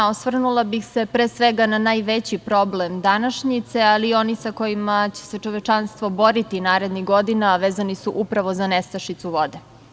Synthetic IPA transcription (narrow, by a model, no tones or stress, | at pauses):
osʋr̩nulˠabixse̞pɾeːsʋeɡananaːjʋet͡ɕipɾo̞blemd̪anaʃɲit̪sealiːo̞nisako̞jimat͡ɕe̥se̞t͡ʃo̞ʋet͡ʃanst̪ʋo̞bo̞ɾit̪inaːɾe̞d̪niɣɡo̞d̪inaʋeːzanisuʔupɾaʋo̞zanest̪aʃit̪suʋo̞d̪e